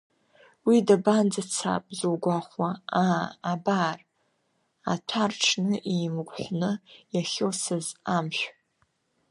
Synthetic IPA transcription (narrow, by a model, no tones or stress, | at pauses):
widaband͡zat͡sʰa̰pʼzuwɡʷaχʷwaaːbaːr | a̰tʷʰarʈ͡ʂʰnɨʔimɡʷħʷnɨjaχʲosɨzamʃʷᶣ